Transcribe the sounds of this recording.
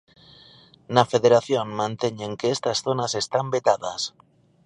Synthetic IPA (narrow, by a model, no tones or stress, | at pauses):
nafe̞ðeɾaθjonmãnt̪eɲeŋkeest̪asθonase̞st̪ambet̪aðas